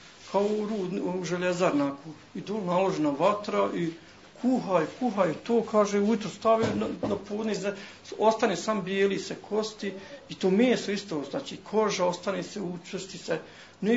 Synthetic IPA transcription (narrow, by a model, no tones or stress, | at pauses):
kʰaoɾuːd̪ːʒeʎezaɾnaːku | id̪oːlnalˠoʒenaʋat̪ɾaʔi | kʰuɦaikuɦaet̪oːkʰaːʒeuit̪ɾost̪aʋenapʰoːd̪niz | ost̪aneːsambjeːlisekʰo̞st̪iit̪oːmeːsoist̪oːznaːt͡ʃiːkʰo̞ʒaost̪aneːseut͡ʃst̪ise | ne